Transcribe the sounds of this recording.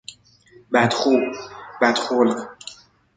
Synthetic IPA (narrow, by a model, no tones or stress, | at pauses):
bæt̪χuːbæt̪χol